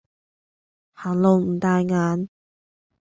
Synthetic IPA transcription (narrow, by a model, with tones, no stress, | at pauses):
haː˨˩lo˨˧wm̩˨˩t̪aː˨˧jŋaː˨˥n